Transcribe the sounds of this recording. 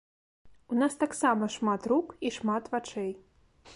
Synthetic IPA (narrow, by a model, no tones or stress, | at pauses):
unast̪aksamɐʂmat̪rukiʂmat̪vat͡ʂɛj